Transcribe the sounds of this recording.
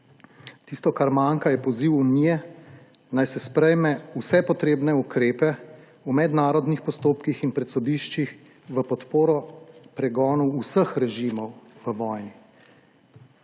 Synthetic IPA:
t̪ist̪ɔkaɾmaŋkajɛpɔziwunijɛ | najsɛspɾɛjmɛusɛpɔt̪ɾeːbnɛukɾeːpɛ | umɛd̪naːɾɔd̪nixpɔst̪oːpkixinpɾɛt̪sɔd̪iːʃt͡ʃix | ʋəpɔt̪poːɾɔpɾɛɡɔːnɔwusəxɾɛʒimɔwʋəʋɔːjni

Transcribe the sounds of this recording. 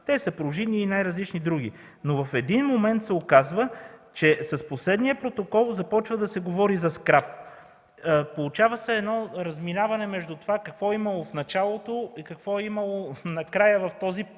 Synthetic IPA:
t̪ɛsɐpɾʊʒiniːnajɾɐzlit͡ʃnid̪ɾuɡ̟ḭ | novɐfɛd̪inmomɛnt̪sɛokazvət͡ʃɛsɐsposlɛd̪nijəpɾot̪okɔlˠzɐpɔt͡ʃvɐd̪ɐsɛɡovɔɾizɐskɾap | polˠut͡ʃavəsɛɛːd̪nɔɾɐzminavɐnɛmɛʒd̪ut̪ovakɐkvɔɛimɐlˠofnɐt͡ʃalˠot̪oikɐkvɔɛimɐlˠonɐkɾajəvɐft̪ɔzi

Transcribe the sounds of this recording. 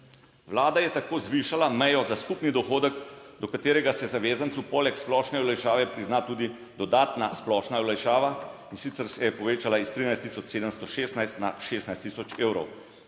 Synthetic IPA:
ʋlaːd̪ajɛt̪akoːzʋiʃalamɛjɔzaskupnid̪ɔxoːd̪əɡd̪ɔkat̪eːɾɛɡasɛzaʋeːzansupɔlɛksplɔʃnɛwlajʃaːʋɛpɾiznat̪uːd̪i | d̪ɔd̪aːt̪nasplɔʃnaɔlajʃaːʋainsit̪sɛɾsɛjɛpɔʋeːt͡ʃalaist̪ɾiːnajst̪ːisɔt͡ʃseːd̪əmst̪ɔʃeːst̪najst̪na̰ʃeːst̪najst̪iːsɔt͡ʃeːwɾɔw

